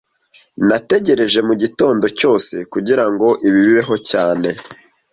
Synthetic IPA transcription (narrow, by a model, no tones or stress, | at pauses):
nate̞ɟe̞ɾe̞ʒe̞muɟito̞ːndo̞co̞ːse̞kuɟiɾaŋɡo̞ʔiβiβiβe̞ɦo̞caːne̞